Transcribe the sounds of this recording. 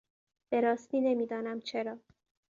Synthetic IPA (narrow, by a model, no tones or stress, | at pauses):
b̥e̞ɾɒːst̪iːne̞miːd̪ɒːnæmt͡ʃʰe̞ɾɒː